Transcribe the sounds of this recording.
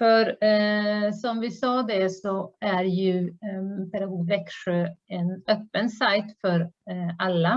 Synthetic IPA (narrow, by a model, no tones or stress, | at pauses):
fœɾ | sɔmvɪsɑːd̪ɛsɔæɾjɵ | fɛɾhvɛkʂøːɛnøːpːənsajt̪fœɾalːa